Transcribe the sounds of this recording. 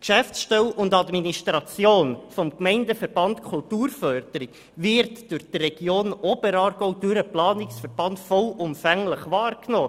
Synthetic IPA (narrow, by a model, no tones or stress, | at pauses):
kʃæfsʃtɛwʔʊndɑdminiʃtɾɑt͡sjoːnfɔmkmɛɪndəfəɾb̥ɑntkʰʊltuːɾfœɾd̥əɾik | vɪɾtd̥ʊɾχd̥rɛɡ̥joːnɔb̥əɾɑːɾɡ̥oʊd̥ʉɾəplɑːnɪksfəɾb̥ɑntfɔlʊmfæŋləχvɑːrknoː